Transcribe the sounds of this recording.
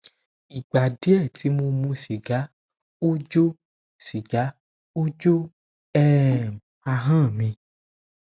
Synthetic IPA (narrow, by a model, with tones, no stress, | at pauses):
i˨ɡ͡ba˨de˨˦ɛ˦˨ti˨˦mõ˧mũ˧si˨ɡa˨˦ | o˦d͡ʒo˦ | si˨ɡa˨˦ | o˦d͡ʒo˦ | ɛ˦˨m˨a˧ɦã˦˨mĩ˧˦